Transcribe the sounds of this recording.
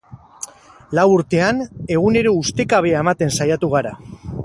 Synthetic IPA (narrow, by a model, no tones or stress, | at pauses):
lawuɾt̪e̞ane̞ɣ̞une̞ɾo̞ust̪e̞kaβ̞eaemat̪e̞nsajat̪uɣ̞aɾa